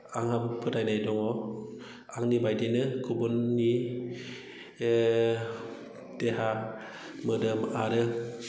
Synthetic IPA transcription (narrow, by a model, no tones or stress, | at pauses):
aŋhampʰɯdajnajdɔŋɔ | aŋnibajdinɯkʰubɔnːi | d̥eɦa | mɯdɯmaɾɯ